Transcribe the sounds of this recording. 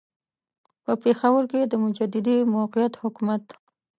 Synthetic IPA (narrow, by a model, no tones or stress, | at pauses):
pəpexawəɾked̪əmʊd͡ʒad̪ɪd̪imawqijat̪hʊkumat̪